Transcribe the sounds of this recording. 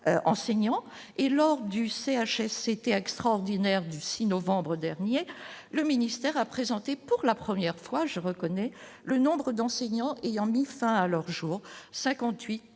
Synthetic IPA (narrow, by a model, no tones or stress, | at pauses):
ʔɑ̃seɲɑ̃ | elɔʁd̪yseaʃɛset̪eɛkst̪χaɔʁd̪inɛʁd̪ysinɔvɑ̃bʁəd̪ɛʁnjeləminist̪ɛʁapχezɑ̃t̪epuʁlapχəmjɛʁfwaʒəʁəkɔnɛ | lənɔ̃bʁəd̪ɑ̃seɲɑ̃ʔejɑ̃mifɛ̃alœʁʒuːʁsɛ̃kɑ̃t̪ɥit̪